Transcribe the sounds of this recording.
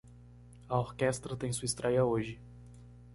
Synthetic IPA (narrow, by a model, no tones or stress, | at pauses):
ɐoɾkɛst̪ɾɐt̪ẽj̃suist̪ɾɛjɐoʒɪ